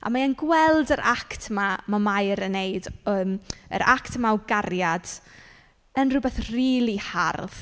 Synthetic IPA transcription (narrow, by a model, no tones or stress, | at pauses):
ʔa̰maənɡwɛlˠdəɾʔaktʰmamamajɾəneɨdəmə̰ɾʔa̰ktʰəmawɡaɾjad̥ | ənrʊbɛθriːlˠiha̰rð